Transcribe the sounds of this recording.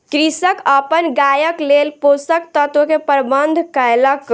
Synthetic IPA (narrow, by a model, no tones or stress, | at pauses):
kɾisəkəpənɡajəklelposəkt̪ət̪ʋəkepəɾbənd̪ʱkəjlək